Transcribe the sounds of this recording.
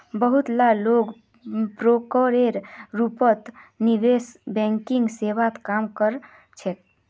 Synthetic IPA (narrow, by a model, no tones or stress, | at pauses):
bəɦut̪laloɡ | pɾokoɾeɾɾupət̪nibesbɛ̃ŋkiŋɡseʋat̪kamkəɾ | t͡ʃʰek̪̚